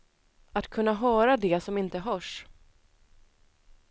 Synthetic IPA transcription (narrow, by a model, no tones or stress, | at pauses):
at̪kʰɵnːaɦœːɾad̪ɛsɔmɪnt̪əɦœʂ